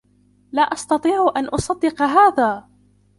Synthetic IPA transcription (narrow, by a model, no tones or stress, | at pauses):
laːʔɑst̪ɑt̪ˤiːʕʔanʔʊsˤɑd̪ːɪqɑɦaːðaː